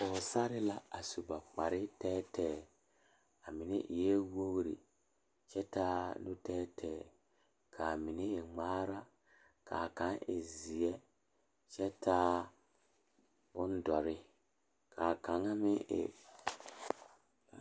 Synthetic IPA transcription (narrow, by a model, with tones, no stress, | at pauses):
ʊ˨sa˦ɾɪ˦la˦a˨su˨ba˨k͡pa˨ɾɪ˦tɛː˦tʰɛː˨ | a˨mɪ˨nḛ˦ʔɪ˨jɛ˦wo˦ɣɾḭ˨ | t͡ʃɛ˦taː˦nʊ˦tɛː˦tʰɛː˨ | kʰa˨mi˨ne˦ɪ˨ŋ͡maː˦ɾa˦ | kʰa˨ka˨˦ŋɪ̰˨zi˨ɛ˦ | t͡ʃɛ˦tʰaː˦ | bʊ˦n˦dɔ˨ɾɪ˦ | kʰa˨ka˨ŋa˦mɪ˦ɪ̰˨